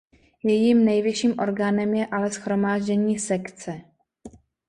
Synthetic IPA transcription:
jɛjimnɛjvjɪʃiːmʔo̞ɾɡaːnɛmjɛʔalɛsxɾo̞maːʒɟɛɲiːsɛkt͡sɛ

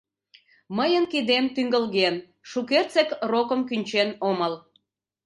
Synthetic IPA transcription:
məjənkid̪emt̪yŋɡəlɣen | ʃukert͡sekrokəmkynʲt͡ɕenoməl

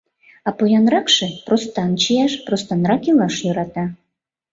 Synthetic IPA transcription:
ɑpojɑnrɑkʃĕprost̪ɑnt͡ɕijæʃprost̪ɑnɾɑkilˠɑʃjø̆ɾɑt̪ɑ

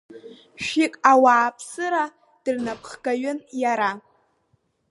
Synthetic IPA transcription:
ʃᶣikʼawaːpʰsɨɾa | d̥ɨrnapʰχɡaɥʊnjaɾa

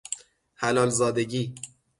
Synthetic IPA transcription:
hælɒːlzɒːd̪eɟiː

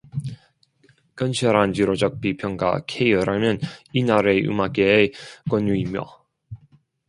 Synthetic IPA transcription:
kʌnɕʰʌɾant͡ɕiɾod͡ʑʌk̚pipʰjʌŋɡa̰kʰejɯɾamjʌninaɾeṵmaɡek͈wʌnːuimjo̰

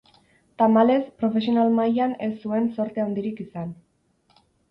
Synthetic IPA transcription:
t̪amale̞spɾo̞fe̞s̬io̞nalmajane̞sːue̞nso̞ɾt̪eawnd̪iɾikisan

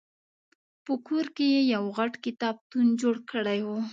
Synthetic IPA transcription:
pəkoɾkejejawɣaʈkɪt̪ɑb̚t̪und͡ʒoɽkəɽajwo

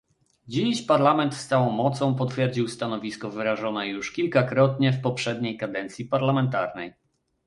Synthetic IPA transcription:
d͡ʑiɕpaɾlamɛnt̪st̪sawɔ̃w̃mɔt̪sɔ̃w̃pɔt̪fʲjɛɾd͡ʑiwst̪anɔvʲiskɔvɘɾaʐɔnɛjuʂkʲilkakɾɔt̪ɲɛfpɔpʂɛd̪ɲejkad̪ɛnt̪sʲjipaɾlamɛnt̪aɾnɛ̰j

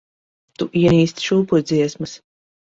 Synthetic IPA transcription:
t̪uʔiɛniːst̪ʃuːpud̪ziɛsmɨs

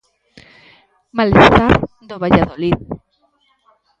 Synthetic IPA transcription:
malest̪aɾ | d̪oβaʎaðolið

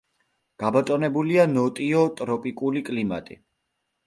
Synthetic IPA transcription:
ɡ̥abat̪ʼɔnɛbulianɔt̪ʼiɔt̪ʼɾɔpʼikʼulikʼlima̰t̪ʼḭ

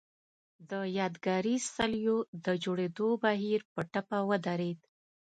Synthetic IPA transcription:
d̪əjɑd̪ɡɑɾisaljod̪əd͡ʒoɽed̪obaɦiɾpəʈapawəd̪aɾed̪

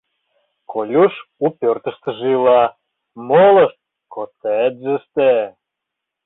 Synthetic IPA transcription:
kʰolʲuʃupørt̪ə̆ʃt̪ə̆ʒilɑ | molə̆ʃt̪̚ | kot̪et̪zəʃt̪e

